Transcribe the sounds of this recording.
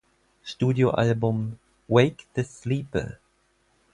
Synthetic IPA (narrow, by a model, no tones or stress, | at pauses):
stuːdjoʔalbʊ̃m | weɪkt̪ʰəsliːpə̰